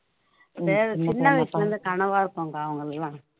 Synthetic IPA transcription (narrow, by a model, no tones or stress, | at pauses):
seːɾt͡ʃɪnːɐʋɐɪslɐɾɯnd̪ɯkɐɳɐʋaːɪɾɯkːoːŋɡɐːʋɐŋɡɐɭɛlːãː